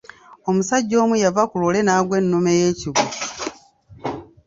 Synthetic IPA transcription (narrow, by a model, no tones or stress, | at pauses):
o̞musaɟːo̞ːmujavakulole̞naːɡwe̞nːumejeːciβu